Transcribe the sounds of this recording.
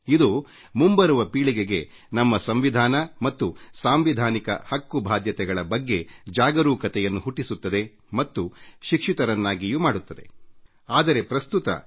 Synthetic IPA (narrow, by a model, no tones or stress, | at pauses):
id̪u | mumbɐɾuʋɐpiːɭiɡeɡe̞ | nɐmːɐsɐmʋid̪ʱaːnɐmɐt̪ːusaːmʋid̪ʱaːnikɐ̰hɐkːubʱaːd̪jɐt̪ɛɡɐɭɐbɐɡːe̞d͡ʒaːɡɐɾuːkɐt̪ɛjɐnːuɦuʈːisut̪ːɐd̪e̞ | mɐt̪ːuʃikʂit̪ɐɾɐnːaːɡijumaːɽut̪ːɐd̪e̞̰ | aːd̪ɐɾe̞pɾɐst̪ut̪ɐ̰